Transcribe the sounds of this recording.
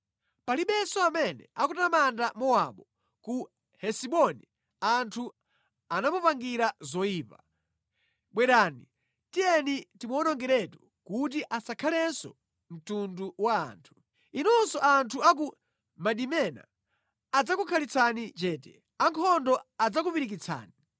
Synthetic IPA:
paliɓɛsɔamɛnɛ̰akutamandamɔwaɓɔ | ku | hɛsiɓɔni | antʰu | anamupaŋɡiɾazɔiːpa | ɓwɛɗaːni | tijɛnitimɔɔnɔŋɡɛɾɛtu | kut̬iʔasakʰalɛnsɔ | m̩tunduwa̰ːntʰu̥ | inɔnsɔʔantʰuak̬u | maɗimɛna̰ː | d͡zakukʰalit͡sʰanit͡ʃɛːtɛ | aŋkʰɔndɔad͡zak̬upiɾik̬it͡sʰa̰ːni

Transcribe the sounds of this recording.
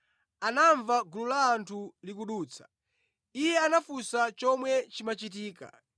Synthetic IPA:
anaɱvaɡululaːntʰulikuɗuːt͡sʰḁ | ijɛanafusat͡ʃɔmwɛt͡ʃimat͡ʃit̬iːka̰

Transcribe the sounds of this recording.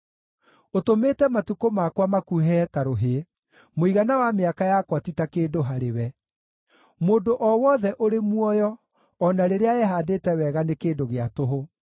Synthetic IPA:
otometɛmatukomakwamakuɦɛtaɾoɦe | moiɣanawameakajakwatitakeːndoɦaɾewɛ | moːndoʔɔwɔðɛʔoɾemwɔjɔː | naɾeɾeaɛɦadetɛwɛɣanekeːndoɣeatoɦo

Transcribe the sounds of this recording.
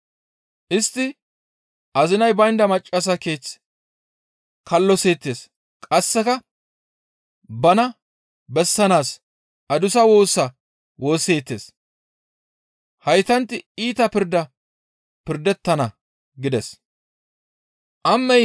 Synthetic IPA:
ʔɪst̪ːɪ | ʔɐzɪnɐjbɐjnd̪ɐmɐt͡ʃʼːɐs̬ɐke̞ːt͡s | kʰɐlːɔseːt̪ːe̞ːs | kʼɐsːɛkɐ | bɐnɐ | bɛsːɐnaːs | ʔɐd̪ʊsɐwo̞ːsːɐ | wo̞ːseːt̪ːe̞̰ːs | hɐjt̪ɐnt̪ːɪiːt̪ɐpɪɾd̪ɐ | pɪɾd̪ɛt̪ːɐnɐ | ɡɪd̪ɛs | ʔɐmːɛj

